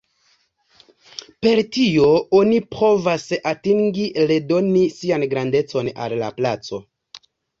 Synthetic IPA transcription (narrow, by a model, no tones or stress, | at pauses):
pe̞ɾtio̞onipo̞vasatiŋɡile̞do̞nisianɡɾande̞t͡so̞na̰lːa̰plat͡so̞